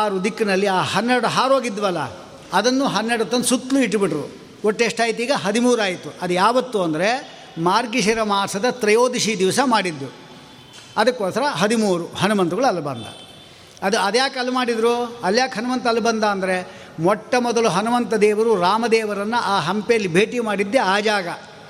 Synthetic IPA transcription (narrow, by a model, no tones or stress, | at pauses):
aːɾud̪ikːɐnɐlːiaːhɐnːeɾɐɽuɦaːɾɦoːɡid̪ːʋɐlːɐ̰ | ɐd̪ɐnːuɦɐnːeɾɽut̪ːɐnsut̪ːluiʈːbiʈɐɾu | oʈːeːʂʈaːjit̪iːɡɐɦɐd̪imuːɾaːjit̪ːuɐd̪ujaːʋɐt̪ːuɐnd̪ɐɾe̞ | maːɾɡiʃɐɾɐmaːɾsɐd̪ɐt̪ɾɐjo̞ːd̪iʃid̪iʋɐsɐmaːɽid̪ːu | ɐd̪ɐkːoːsɐɾɐɦɐd̪imuːɾuhɐnumɐnt̪uɡɐɭuɐlːɐbɐnd̪ɐ̰ | ɐd̪uɐd̪ɐjaːkɐlːumaːɽid̪ɾuɐljaːkɦɐnumɐnt̪ɐlːubɐnd̪aːnd̪ɐɾe̞ | mɔʈːɐmɔd̪ɐluɦɐnumɐnt̪ɐd̪ɛːʋɐɾuɾaːmɐd̪ɛːʋɐɾɐnːuʔaːɦɐmpɛjɐlːibʱeːʈimaːɽid̪ːeaːd͡ʒaːɡɐ